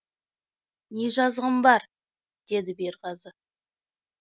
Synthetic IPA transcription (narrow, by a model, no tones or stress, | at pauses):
neʒɑzʁəmbɑɾ | d̪̥e̞d̪ɪbe̞ɾʁɑzə